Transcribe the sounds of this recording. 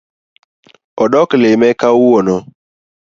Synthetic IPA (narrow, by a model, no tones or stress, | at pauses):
ɔɗɔklemɛkawuwɔnɔ